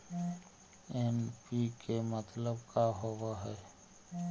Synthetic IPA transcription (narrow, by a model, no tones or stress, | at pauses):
enpikemət̪ləbkaɦoʋaɦɛː